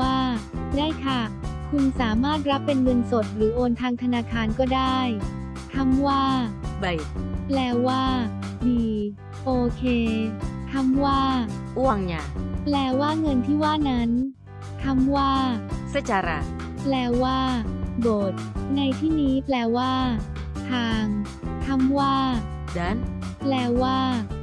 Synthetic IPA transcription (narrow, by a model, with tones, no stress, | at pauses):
aː˥˩daː˥˩jkʰa˥˩kʰu˧nsaː˩˦maː˥˩t̪̚ɾa˦˥pːe˧nŋɤ˧nso˨˩t̪̚ɾɯː˩˦ʔoː˧nt̪ʰaː˧ŋt̪ʰa˧naː˧kʰaː˧nkɔː˥˩daː˥˩j | t̪ʰa˧˥mwaː˥˩ba˨˩jplɛː˧waː˥˩ | diː˧˩ | ʔoː˧kʰeː˧k̪ʰa˧˥mwaː˥˩ʔu˥˩ɐŋɲa˨˧˩plɛː˧waː˥˩ŋɤ˧nt̪ʰiː˥˩waː˥˩na˦˥n | t̪ʰa˧˥mwaː˥˩sa˦˥˩t͡ɕa˧ɾa̰˧˩ | plɛː˧waː˥˩doː˨˩t̪̚na˧jt̪ʰiː˥˩niː˦˥plɛː˧waː˥˩ | t̪ʰaː˧ŋ | t̪ʰa˧˥mwaː˥˩ | da˧˦˥nplɛː˧waː˥˩